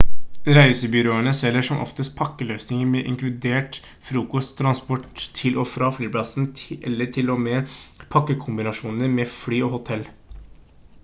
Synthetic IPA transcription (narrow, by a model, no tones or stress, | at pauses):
ɾæɪsəbʏɾoːəɳəsɛlːəʂɔmʔɔ̰ft̪əst̪̚pʰɑkːəløːsnɪŋəɾmɛʔɪŋklʉd̪eːʈ | fɾuːkɔst̪ʰːɾɑnspɔʈt̪ʰɪlʔɔfɾɑːflyːpʰlɑsn̩ʔɛ̰lːət̪ʰɪlɔmɛpʰɑkːəkʰʊmbɪnɑʂuːnnəmɛflyːɔhʊt̪ʰɛlː